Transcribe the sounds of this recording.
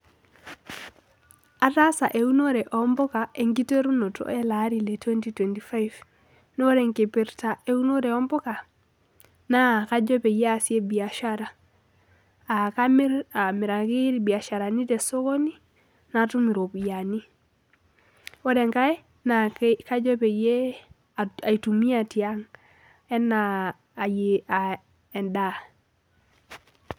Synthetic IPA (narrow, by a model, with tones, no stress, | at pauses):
a˨ta˦sa̰˨ʔe˨u˦no˦ɾɛ˨ʔɔ˦mbɔ˦ka˨e˨ŋɡi˦te˦ɾu˦no˨to̰˦e˦la˦ɾi˨le˨twe˦nti˦twɛ˨nti˨fa˦jv | no˦ɾe˨ŋke˨pi˨ɾta˨ʔe˨˦u˦no˦ɾe˨ɔ˦mbɔ˦ka˨ | na˦˨ka˦d͡ʒɔ˦pe˨ja˦si˦e˦bi˨a˨ʃaɾa˨ | a˨kaa˨mɪ˨ɾa˨ki˦ɾbi˨a˨ʃa˨ɾa˨ni˦tɛ˨so˦ko˦ni˦ | na˨tu˦mi˨ɾo˨bja˨ni˦ | ɔ˦ɾɛ˨ŋka˦j | na˨ka˦d͡ʒɔ˦pe˨je˦ | a˨a˨i˨tu˨mi˦a˦˨ti˨a˦ŋ | ɛ˦naː˨ | je˨a˨ | ɛ˨nda˦